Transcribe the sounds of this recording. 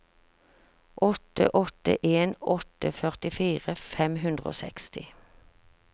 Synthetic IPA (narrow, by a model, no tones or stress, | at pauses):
ʔɔt̪ə̰ʔɔt̪ə̰ʔeːnɔt̪əfœʁt̪ɪfiːʁəfɛmhʉnd̪ʁəo̰ːsɛkst̪ɪ